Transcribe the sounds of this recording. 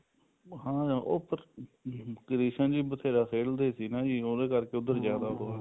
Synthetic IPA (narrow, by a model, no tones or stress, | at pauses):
hãːʔoːpʰəɾ | kəɾiːʃənd͡ʒiːbət̪ʰeːɾaːsʰeːld̪eːsiːnãːd͡ʒiːoːd̪eːkəɾkeːʊd̪ːəɾzjaːd̪aːɦoːaː